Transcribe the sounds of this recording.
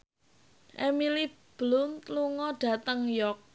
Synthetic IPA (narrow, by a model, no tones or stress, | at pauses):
ʔemilib̥lʊnt̪luŋɔɖ̥a̤t̪əŋjɔk̚